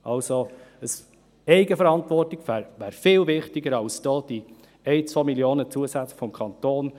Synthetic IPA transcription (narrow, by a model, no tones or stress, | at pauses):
ʔɑlsoəs | ɛɪɡəfəɾɑntʋɔrtɪɡfæːɾʋæːɾfɪːlvɪχtɪɡəɾɑlsd̥ɔːd̥i | ɛɪt͡sʋomiljoːnət͡suəsæt͡sfɔmkʰɑnt̪oːn